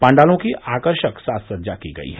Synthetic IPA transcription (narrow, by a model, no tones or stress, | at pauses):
pãːɳɖaːlõkiʔaːkəɾʃəksaːssɐɾd͡ʒakiɡɐ̰ḭɦɛ